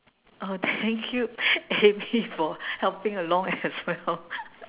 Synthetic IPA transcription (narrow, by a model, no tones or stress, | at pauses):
ʔot̪ʰɛ̃ŋkʰjuemifɔhɛlpɪ̃ŋəlɔ̃ŋɛswɛl